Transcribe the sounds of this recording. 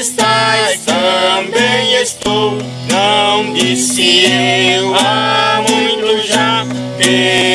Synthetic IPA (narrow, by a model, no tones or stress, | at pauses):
ʃt̪aɾat̪ɐmbẽj̃eʃt̪o | nɐ̃w̃d̪isɪewamũj̃t̪ʊʒa | e